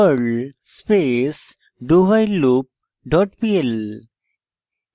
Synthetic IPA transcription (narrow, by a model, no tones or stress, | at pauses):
əɖ | spes | ɖuʋajlup̚ | ɖɔʈpiel